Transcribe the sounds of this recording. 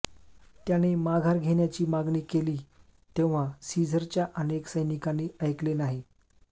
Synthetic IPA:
t̪janemaɡʱaɾɡʱeɳjat͡ɕiːmaɡniːkeliː | t̪eʋ̤̃asid͡zʱəɾt͡ɕjaʔəneksəjnikaniːəjklenaɦi

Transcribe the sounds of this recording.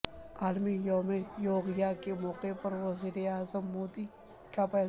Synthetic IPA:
aːlmijoːmejoːɡjakemɔːqepɐɾʋɐziːɾeaːzəmːoːd̪i | kapɛː

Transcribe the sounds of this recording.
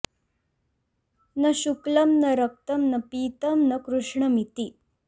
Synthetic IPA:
nɐɕuklɐmnɐɾɐk̚t̪ɐmnɐpiːt̪ɐmnɐkɾuʂɳɐmit̪i

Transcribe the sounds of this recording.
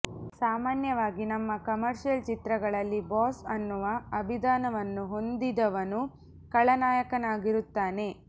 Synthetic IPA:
saːmaːnjɐʋaːɡinɐmːɐkɐmɐɾʃijɐlt͡ʃit̪ɾɐɡɐɭɐlːibaːsɐnːuʋɐɐbʱid̪aːnɐʋɐnːuɦo̞nd̪id̪ɐʋɐnu | kɐɭɐnaːjɐkɐnaːɡiɾut̪ːaːne̞

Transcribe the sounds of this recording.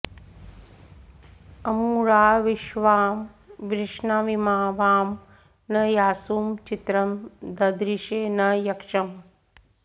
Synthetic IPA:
ɐmuːɾaːʋiʃʋaːm | ʋɾɪʂɳaʋimaːʋaːm | nɐjaːsuːmt͡ʃit̪ɾɐmd̪ɐd̪ɾiʃeːnɐjɐkʂɐm

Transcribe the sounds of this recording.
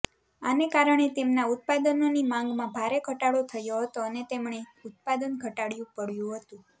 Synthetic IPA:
a̰nekaɾəɳ̃et̪emnaʊt̪̚pad̪ənonimãŋɡmãbʱaɾeɡʱəʈaɭot̪ʰəjoɦət̪oənet̪emɳ̃eʊt̪̚pad̪ənɡʱəʈaɽjũpəɽjũɦət̪ũ

